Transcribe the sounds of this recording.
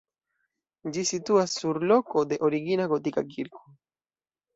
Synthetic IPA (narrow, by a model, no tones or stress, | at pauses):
d͡ʒisit̪uasːuɾlokod̪eʔoɾiɣinaɣot̪ikakiɾko̥